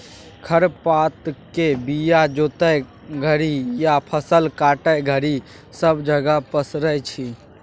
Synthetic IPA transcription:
kʰəɾpat̪kebijad͡ʒot̪əj | ɡʱəɾijapʰəsəlkaʈəjɡʱəɾi | səbd͡ʒəɡəpəsɾəjt͡ʃʰi

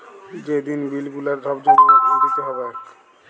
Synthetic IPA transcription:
d͡ʑed̪inbilɡulaɾd̪ʱɔbd͡ʑoɡʱod̪it̪eɦɔbe

